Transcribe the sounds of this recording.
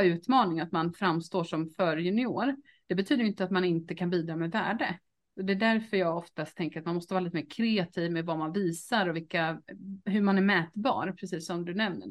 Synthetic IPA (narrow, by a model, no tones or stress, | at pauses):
ʉ̟ːt̪mɑːnɪŋat̪manfɾamːst̪oːʂɔmfœɾjɵnɪuːɾ | d̪̥ɛbɛt̪ʰyːd̪əjɪnt̪əat̪manɪnt̪əkʰanbiːd̪ɾɑːmɛvæːɖə | ɔd̪ɛːd̪æɾfœɾjɑːɡɔft̪ast̪ʰːɛŋkəɾat̪manmɔst̪əvɑːɾliːt̪əmeːɾkʰɾɛːat̪ʰiːvmeːvamanviːsaɾɔvɪkːaɦɵɾmanæɾmɛːt̪bɑ̰ːɾpʰɾɛsiːsːɔmd̪ɵnɛmnə̰ɖ